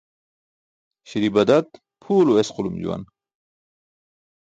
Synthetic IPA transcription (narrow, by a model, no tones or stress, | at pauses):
ɕiɾibɐd̪ɐt̪̚ | pʰuːloesqʊlumd͡ʑṵwa̰n